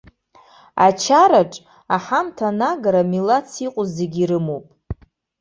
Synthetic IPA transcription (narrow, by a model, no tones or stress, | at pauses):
a̰t͡ʃʰaɾaʈ͡ʂʼ | aħamtʰanaɡaɾamilat͡sʰiqʷʼʊze̞ɡʲiɾɨmowpʼ